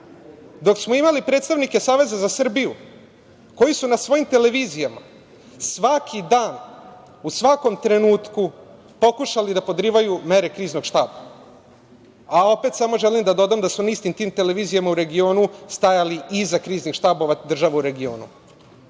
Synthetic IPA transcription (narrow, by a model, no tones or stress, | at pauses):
d̪o̞ksmoimalipɾet̪st̪aʋnike̞saːʋe̞zazasr̩biju | ko̞jisunasʋo̞jimt̪e̞le̞ʋiːzijama̰ | sʋakʰid̪aːn | usʋako̞mt̪ɾe̞nuːt̪ku | po̞kuʃalid̪apo̞d̪ɾiːʋajume̞ɾe̞kɾiːznoɡʃt̪aːba | ao̞pe̞t̪samo̞ʒe̞limd̪ad̪o̞d̪aːmd̪asmonaist̪imt̪iːmt̪e̞le̞ʋiːzijamauɾe̞ɡio̞ːnust̪ajaliizakɾiːznixʃt̪aːbo̞ʋad̪r̩ʒaʋauɾe̞ɡio̞̰ːnṵ